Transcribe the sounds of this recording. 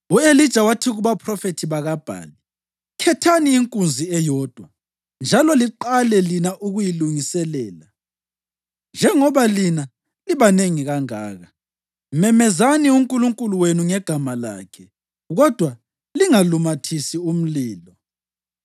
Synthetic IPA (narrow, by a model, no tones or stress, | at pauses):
uelid̥ʒ̥ʱawatʰiɣuβapʰrɔfetʰiβaɣab̥ʱa̰ːli | kʰɛtʰaniːŋkʼund͡zʱiɛjɔːd̥ʱwa | nd͡ʒʱalɔliǃalɛlinaʔuɣujiluŋisɛlɛːla | nd͡ʒʱɛŋɔβalina | liβaneŋiɣaŋa̰ːɣa | mɛmɛzaniuŋkʼuluŋkʼuluwenuŋɛɡ̥ʱamala̰ːkʰɛ | ɣɔd̥ʱwa | liŋalumatʰisium̩liːlɔ